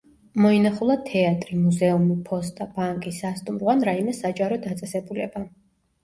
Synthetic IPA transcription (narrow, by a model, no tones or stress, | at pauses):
mɔinaχulˠat̪ʰɛat̪ʼɾimuzɛumipʰɔst̪ʼab̥aŋkʼisast̪ʼumɾwanɾaimɛsad͡ʒʼaɾɔd̪at̪sʼɛsɛbulɛba